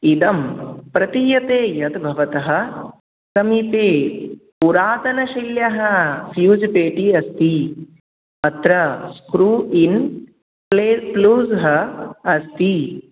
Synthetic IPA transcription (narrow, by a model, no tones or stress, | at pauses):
id̪ɐmpɾɐt̪ijɐt̪eːjɐd̪bʱɐʋɐt̪ɐɦɐ̆ | sɐmipeːpuɾaːt̪ɐnɐʃiljɐɦɐfjuːd͡ʒpeːʈiɐst̪i | ɐt̪ɾɐskɾuːʔin | epluːzɦɐɐst̪i